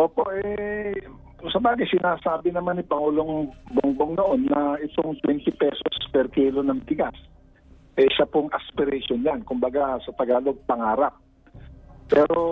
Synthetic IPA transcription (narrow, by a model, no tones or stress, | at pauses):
ʔoːpo̞ʔɛ | sɐbaːɡɪsɪnaːsaːbɪnɐmanɪpɐŋuːlo̞ŋboŋboŋnoʔo̞nːɐʔɪt̪oŋt̪wɛnt̪ɪpɛsospɛɾkiːlo̞nɐŋt̪ɪɡas | ʔɛʃapoŋʔɐspɪɾɛʃonjankʊmbɐɡasɐt̪ɐɡaːlo̞ɡ̚pɐŋaːɾap̚ | pːɛːɾo̞